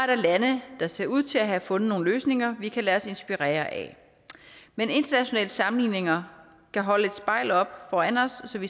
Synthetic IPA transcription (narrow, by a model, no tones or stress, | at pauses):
ɐɾ̥ɑ̈lænəd̥ɑ̈se̝ɐuð̞̰ˠt͡sʰe̝læɦæfɔ̽nð̩ˠno̝ːn̩løːsne̝ŋɐʋikʰælæːɒ̽se̝nsb̥iʁɛ̰ːɐʔɛ | mene̝nd̥ɐnæɕo̝nɛ̰ːləsɑ̈mn̩lḭːne̝ŋɐ | kʰæɦɒ̽ləe̝d̥sb̥ɑ̈ɪ̰lɒ̽b̥fɒːæn̰ɒ̽sːɒ̽ʋi